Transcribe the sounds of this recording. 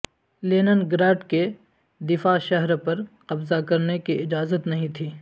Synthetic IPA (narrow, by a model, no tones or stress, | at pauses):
leːnənɡɾaːʈke | d̪ɪfaʃɐɦɾpɐɾqɐbzakɐɾnekiɪd͡ʒaːzət̪nɐɦĩt̪ʰiː